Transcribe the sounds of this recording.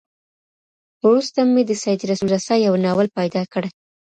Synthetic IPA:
ɾust̪amed̪əsajd̪iɾasuɾasɑjawnɑwəlpajd̪ɑkəɽaj

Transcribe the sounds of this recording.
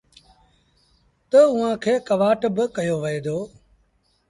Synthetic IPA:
t̪əʊɦãːkʰeːkəʋaːʈbɪkəjoːʋəeːd̪oː

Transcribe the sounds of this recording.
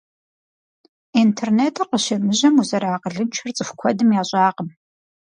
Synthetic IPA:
intʰerneːtʰɐqəʃɐmɨʑɐmuzɐɾaːqəɮɨmt͡ʃʷʰɐrt͡sʼɨxʷkʷʰɔdɨmjaːɕʼɑːqəm

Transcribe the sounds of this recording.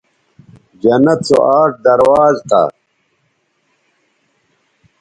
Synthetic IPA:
d͡ʑɐnɐt͡so̰ʔaːʈ̚d̪ɐɾwaːzt̪a̰

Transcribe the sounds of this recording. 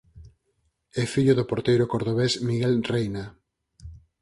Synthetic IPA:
ɛfiʎʊðʊpoɾt̪ejɾʊkoɾðoβesmiɣɛlrejna

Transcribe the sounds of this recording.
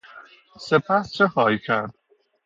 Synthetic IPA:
sepʰæst͡ʃʰexɒːjikʰæɾd̪

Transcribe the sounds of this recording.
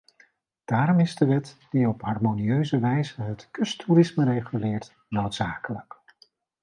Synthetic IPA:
d̥aːɾɔmɪzdəʋɛtd̥iɔpɦɑrmoniøɥzəʋɛjzəɦətkɵstʰurɪsməɾejχylɪːɹt | nowtsaːkələk

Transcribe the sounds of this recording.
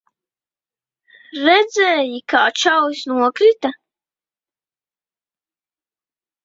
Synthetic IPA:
ɾɛd̪zɛːjikaːt͡ʃawsnuɔkɾit̪a

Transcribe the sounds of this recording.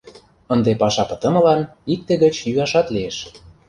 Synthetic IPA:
ənd̪epɑʃɑpɤ̥̆t̪ə̆mɤ̆lɑnik̚t̪ːĕɣə̆t͡ɕjyɑʃɑt̪lieʃ

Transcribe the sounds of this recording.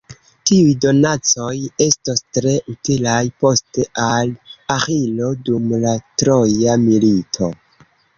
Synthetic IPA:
tiujdo̞nat͡so̞je̞stostɾe̞ʔutilajpo̞ste̞ʔalaxilo̞dumlatɾo̞jamilitʰo

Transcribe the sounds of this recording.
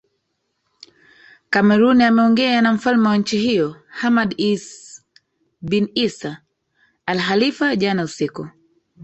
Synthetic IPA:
kamɛɾuniamɛɔŋɡɛanam̩falmɛwaɲ̩t͡ʃiɦijɔhamadis | binisaː | lɦalifaʄanausiku

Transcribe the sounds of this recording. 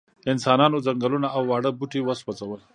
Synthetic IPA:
ɪnsɑːnɑnozaŋɡəlunaawːɑɽəbuʈiwəswat͡sawəl

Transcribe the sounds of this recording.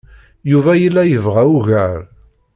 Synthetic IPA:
juvæjəlːæjəvʁæuʝæɾ

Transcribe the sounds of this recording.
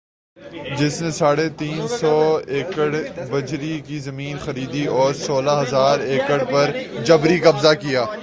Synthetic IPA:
d͡ʒɪsnesaːɽet̪iːnsɔːeːkəɽbɐd͡ʒɾikizɐmiːnxɐɾiːd̪iɔːɾsoːlaɦɐzaːɾeːkəɽpɐɾd͡ʒɐbɾikɐbzakijaː

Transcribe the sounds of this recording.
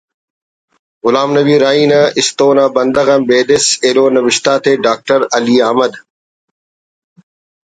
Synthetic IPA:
ɣʊlaːmnɐbiːɾaːiːnɐ̃ʔɪst̪oːnãːbɐ̃nd̪əɣə̃mbeːd̪ɪseːloːnɐʋɪʃt̪aːt̪ʰeːɖaːk̚ʈəɾɐliːaːɦməd̪

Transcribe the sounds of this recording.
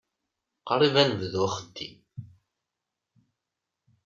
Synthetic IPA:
qɾˤivænəvðwχə̥t̪ːḭ

